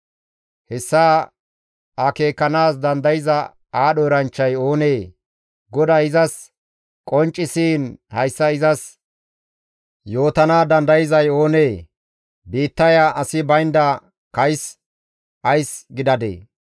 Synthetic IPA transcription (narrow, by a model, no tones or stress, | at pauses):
hɛsːaː | ɐke̞ːkːɐnaːs̬d̪ɐnd̪ɐjɪzɐ | aːɗɔjɾɐnt͡ʃːɐjo̞ːneː | ɡɔd̪aɪzɐs | kʼɔnt͡ʃʼːɪsiːnhɐjsːɐɪzɐs | jo̞ːt̪ɐnaːd̪ɐnd̪ɐjɪzɐjo̞ːne̞ː | biːt̪ːɐjaʔɐsɪbɐjnd̪ɐ | kɐjs | ʔɐjsɡɪd̪ɐd̪ḛː